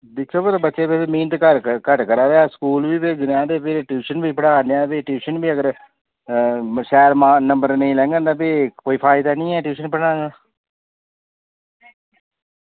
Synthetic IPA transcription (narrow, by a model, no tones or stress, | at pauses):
d̪ɪt͡ʃʰoːbot̪abətːʃeːbesemĩːnt̪kəɾkəʈkəɾaːʋeaːskuːlʋiːped͡ʒnãːd̪eːpʰɪɾʈjuːʃənbiːpəɽãːneaːpeʈjuːʃənbiːəɡəɾ | ʃɛːɾmaːnəmbəɾnəĩːlɛ̃ːŋɡə̃nd̪aːpekoːiːpʰaːɪd̪aːnĩːɛːʈjuːʃənpəɽãːɡaː